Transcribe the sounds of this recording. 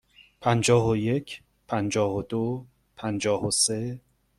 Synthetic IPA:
pʰænd͡ʒɒːɦoje̞cʰ | pʰænd͡ʒɒːhod̪̥o | pʰænd͡ʒɒːhose

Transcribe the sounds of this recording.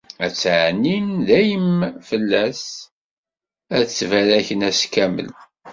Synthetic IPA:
æt͡sːʕnːimðæjəmfəlːæs | æt͡sːvæɾæçənæskæmə̰l

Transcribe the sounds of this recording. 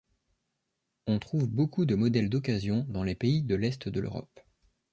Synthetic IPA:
ɔ̃t̪χuvbokud̪əmɔd̪ɛld̪ɔk̬azjɔ̃d̪ɑ̃lepeid̪əlɛst̪d̪əlø̰ʁɔ̰p

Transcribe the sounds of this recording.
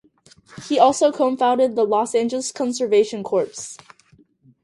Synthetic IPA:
hiɔlˠsoʊkʰoʊə̃ɱfãʊ̃ndɨd̪̚ðəlɔsæ̃nd͡ʒl̩ˠəskʰɑ̃nsə˞veɪʃɨ̃nkʰɔɹps

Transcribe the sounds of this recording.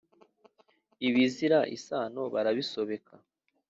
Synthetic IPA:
iβiziɾaʔḭsaːno̞βaɾaβiso̞βe̞kʰa

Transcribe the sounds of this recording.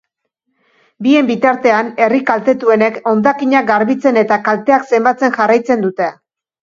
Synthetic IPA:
bie̞mbit̪aɾt̪e̞ane̞rikalt̪e̞t̪ue̞ne̞ko̞nd̪akiɲak̚ɡaɾβit͡se̞ne̞t̪akalt̪e̞akse̞mbat͡se̞ŋʝarajt͡se̞nd̪ut̪e̞

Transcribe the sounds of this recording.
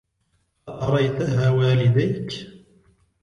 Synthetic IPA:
aʔɑɾˤɑjt̪aɦaːwaːlɪd̪ajk

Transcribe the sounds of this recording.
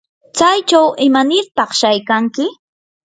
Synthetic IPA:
t͡sajt͡ʃawʔɪmanɪɾpɑχʃajkaŋkɪ

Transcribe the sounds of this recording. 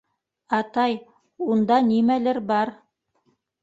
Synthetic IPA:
ɑt̪ɑj | und̪ɑnimælɘɾbɑɾ

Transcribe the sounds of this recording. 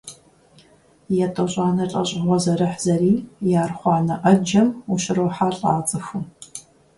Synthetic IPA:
jɛtʼɐɕʼɑːnɐɬʼɐɕʼɪʁʷɔzɐɾɨħz̥ɐɾiːjaːrχʷɑːnɐʔɐd͡ʒɐmuʃɪɾowħaːɬʼaːt͡sʼɨxu

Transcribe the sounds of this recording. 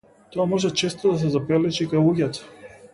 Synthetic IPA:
t̪oamɔʒɛt͡ʃɛst̪od̪as̬ɛzapɛlɛt͡ʃikajlˠuɡʲat̪ḁ

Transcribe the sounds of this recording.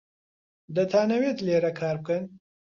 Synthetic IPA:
d̪ɐt̪ʰaːnɐwet̪leːɾɐkʰaːɾb̚kɐn

